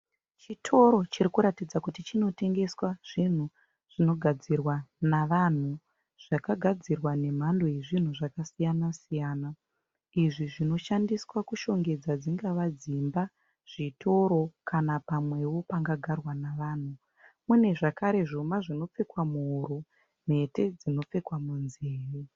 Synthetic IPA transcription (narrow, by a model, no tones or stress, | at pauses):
t͡ʃitʰo̞ɾo̞t͡ʃiɾikuɾatid͡zakutit͡ʃino̞te̞ŋɡe̞swaʐ̥in̤u | ʐ̥ino̞ɡʱad͡zirwanaʋan̤u | ʐ̥akaɡʱad͡zirwane̞m̤ando̞je̞ʐin̤uʐakasijanasijaːna | iʐiʐino̞ʃandiswakuʃo̞ŋɡe̞d͡zad͡ziŋɡaʋad͡zimba | ʐ̥itʰo̞ɾo̞kanapamwe̞wo̞paŋɡaɡʱarwanaʋaːn̤u | mune̞ʐakaɾe̞ʐomaʐino̞p͡fe̞kwamuɦuɾu | n̤e̞te̞d͡zino̞p͡fe̞kwamunzeːri